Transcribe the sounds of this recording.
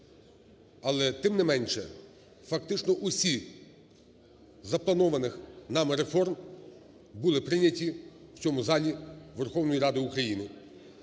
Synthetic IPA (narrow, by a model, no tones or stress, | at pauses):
ɐlˠɛt̪ɪmnɪmɛnʲʃɛ̰ | fɐkt̪ɪt͡ʃnɔʔʊsʲi | zɐplˠɐnɔʋɐnɪxnɑmɾefɔrm | bʊlˠɪpɾɪnʲɐtʲiwt͡sʲɔmʊzɑlʲiʋerxɔwnɔjiɾɑd̪ɪukɾɐjinɪ